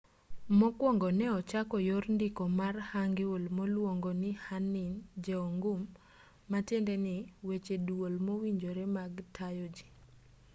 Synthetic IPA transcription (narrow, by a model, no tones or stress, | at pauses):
mɔkwɔŋɡɔnɛɔt͡ʃakɔjorndɪkɔmarhaŋɡɪwolmolwoŋɡonɪhanɪnd͡ʒeoŋɡʊmː | atendenɪwet͡ʃedwolmowiɲd͡ʒoɾɛmaɡtʰajod͡ʒi̥